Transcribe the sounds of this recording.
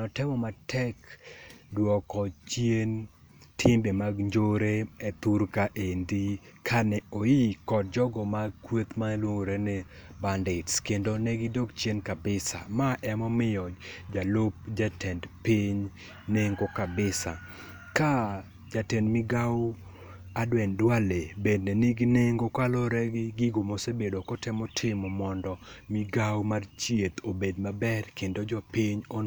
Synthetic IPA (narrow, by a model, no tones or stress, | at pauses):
nɔtɪmɔmatʰɛk | dwɔkɔt͡ʃjen | tʰɪmbemaɡɲd͡ʒoɾeet̪uɾkaʔendikʰanɛojikɔd̚d͡ʒɔɡɔmakwet̪malwoŋɾenɛbandɪtskendonɛɡɪdokt͡ʃenkabɪsa̰maʔɛmɔmɪjɔd͡ʒd͡ʒalop̚d͡ʒatɛndpiɲ | neŋɡokabɪsa̰ | ka | d͡ʒatɛndmɪɡaw | adwɛndwalebednɛnɪɡneŋɡokalɔɾɛɡɪɡɪɡomosebedokɔtɛmɔtʰɪmɔmɔndɔmɪɡawmart͡ʃiet̪obedmabɛrkendod͡ʒɔpiɲo